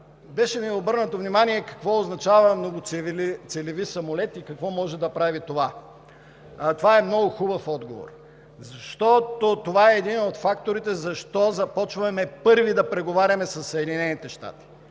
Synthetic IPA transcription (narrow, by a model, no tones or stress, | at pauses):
bɛʃɛmiɛobɤɾnɐt̪ovnimaniɛkɐ̥kvɔoznɐt͡ʃavɐmnoɡʊt̪sɛlivisɐmolɛt̪ikɐkvɔmɔʒɛd̪ɐpɾavit̪ova | t̪ovaɛmnɔɡʊxubəfɔd̪ɡovo̰ɾ | zɐʃt̪ɔt̪ot̪ovaɛːd̪inot̪fakt̪oɾit̪ɛzɐʃt̪ɔzɐpɔt͡ʃvɐmɛpɤɾvid̪ɐpɾɛɡovaɾʲɐmɛsɐsːɐɛd̪inɛnit̪ɛʃt̪a̰t̪i̥